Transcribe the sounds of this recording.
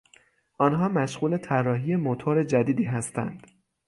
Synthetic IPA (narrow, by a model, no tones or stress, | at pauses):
ʔɒːnɦɒːmæʃɣuːle̞t̪ʰærːɒːɦiːje̞mot̪ʰoɾe̞d͡ʒæd̪iːd̪iːɦæst̪æ̰nd̪̥